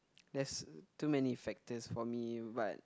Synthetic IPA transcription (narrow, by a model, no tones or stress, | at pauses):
dɛstumɛnifɛk̚təsfɔmibat̚